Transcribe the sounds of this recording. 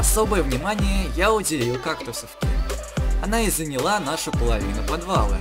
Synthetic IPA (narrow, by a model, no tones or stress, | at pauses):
asɔbɨjɛwnʲimanʲijɛjawd͡zʲelʲiwkakt̪ɔsufkʲḭan̪aizɐnʲilˠanaʂɐpɐlˠavʲinɐpad̪valˠɨ̰